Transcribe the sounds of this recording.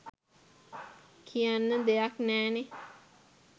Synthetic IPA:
kʰijanːəd̪ejaknɛːne

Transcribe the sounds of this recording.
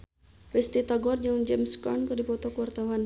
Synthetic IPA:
rist̪it̪aɡɔrd͡ʒɨŋd͡ʒɛmskɔ̰nkɨrdipɔt̪ɔkuwart̪awan

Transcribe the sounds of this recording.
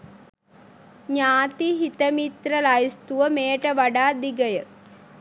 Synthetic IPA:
ɲaːt̪iɦit̪ɐmit̪ɾɐlajist̪uʋɐmeːʈɐʋɐɖaːd̪iɡɐjɐ

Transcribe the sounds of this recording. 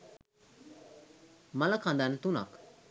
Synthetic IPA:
məlakʰãnd̪ant̪una̰k

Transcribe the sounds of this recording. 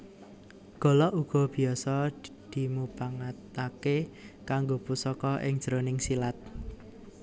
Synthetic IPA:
ɡ̥ɔ̤lɔʔuɡ̥ɔ̤b̥i̤ɔsɔd̪̥i̤mupaŋat̪akekaŋɡopusɔkɔʔɪ̰ŋd̥ʒ̥əɾonɪŋsilat̪̚

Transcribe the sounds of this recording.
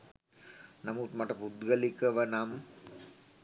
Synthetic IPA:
nɐmut̪mɐʈːɐpud̪ɡɐlikːɐʋɐnam

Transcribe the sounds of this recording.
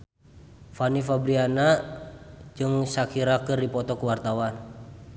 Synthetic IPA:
fanifabɾiana | d͡ʒɨŋsakiɾakɨrdipɔt̪ɔkuwart̪awan

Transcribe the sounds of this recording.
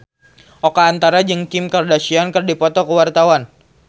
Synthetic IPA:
ʔokaːnt̪aɾad͡ʒɨŋkɪmkərdasiankɨrdipɔt̪ɔkəwart̪awan

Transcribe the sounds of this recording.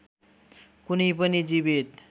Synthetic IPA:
kunipənid͡ʑibit̪

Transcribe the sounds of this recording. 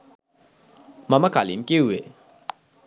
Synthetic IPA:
mɐmakalimkeue

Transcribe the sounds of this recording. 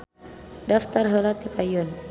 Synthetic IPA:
daft̪arɦəlat̪ikajun

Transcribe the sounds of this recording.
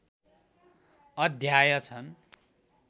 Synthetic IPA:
ʌd̪ʱjajʌt͡sʰʌn

